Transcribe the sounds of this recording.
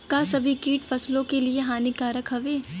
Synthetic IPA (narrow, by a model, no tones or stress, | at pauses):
kasɐbʱikiːʈfɐslõkelieɦaːnikaɾɐkɦɐʋeː